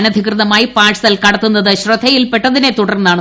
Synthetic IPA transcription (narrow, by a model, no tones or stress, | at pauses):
nɐd̪ʱikrɨðɐmaːjipaːʂʰɐðɐlkɐɽɐt̪ːunːɐðɨɕrɐd̪ʱɐjilpeʈːɐðine̞t̪uɽɐrnːaːɳ